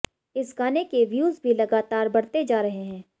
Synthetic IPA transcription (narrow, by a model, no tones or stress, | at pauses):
ɪsɡaːnekeʋjuːzbʱilɐɡaːt̪aːɾbɐɽt̪ed͡ʒaːɾɐɦeɦɛ̃ː